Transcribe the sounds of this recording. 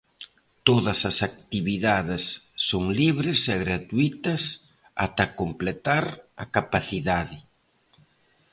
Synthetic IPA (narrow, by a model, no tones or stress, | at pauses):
t̪oðɐsɐsak̚t̪iβiðaðɪsː | oŋliβɾɪsɛɣɾat̪uit̪ɐs | a̰t̪ɐkomplet̪aɾɐkapaθiðaðɪ